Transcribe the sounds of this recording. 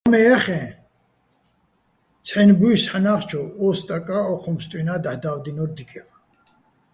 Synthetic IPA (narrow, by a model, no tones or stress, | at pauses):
amɛaχɛ̃ | t͡sʰɛnbujsħanaχt͡ʃʰɔɔst̪ʼakʼaɔχʰɔmst̪ʼwinad̪aħd̪awd̪inɔɾd̪ikʼɛva